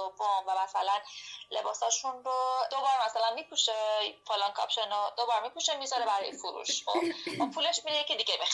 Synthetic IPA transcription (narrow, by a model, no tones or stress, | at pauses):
obomvæmæsælænle̞̰bɒːsɒːʃunɾod̪̥o̞bɒːɾmæsælænmiːpʰuʃefolɒnkʰɒ̰pʃenod̪obɒɾmipuʃemizɒɾebæɾɒ̰ːjefuɾṵʃxobʔupʰuːle̞ʃmiɾejecʰed̪iɟebex